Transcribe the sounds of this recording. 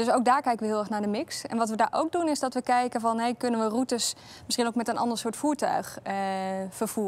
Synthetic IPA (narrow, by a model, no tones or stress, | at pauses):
dɵsowk̚daːɹkɛjkənʋəɦɪlˠɛɹχnaːɹdəmɪksɛ̰nʋɑtʋədaːɹʔo̰wk̚dunɪzdɑtʋəkɛjkənvɑnɦejkɵnənʋərutəs | mɪsχinowkmɛtənʔɑ̰ndəɹsʊːɹtfuːɹtœ̰ɥχ | fəɹv̥uːə